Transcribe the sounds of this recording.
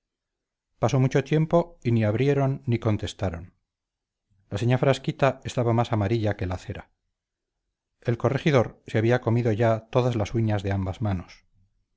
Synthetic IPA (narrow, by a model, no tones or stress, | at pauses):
paso̞mut͡ʃo̞t̪je̞mpo̞iniaβɾje̞ɾo̞nːiko̞nt̪e̞st̪aɾo̞n | laseɲafɾaskit̪ae̞st̪aβamasamaɾiʎake̞laθe̞ɾa | e̞lko̞re̞xiðo̞ɾseaβiako̞miðo̞ʝat̪o̞ðazlasuɲazðe̞ambazmano̞s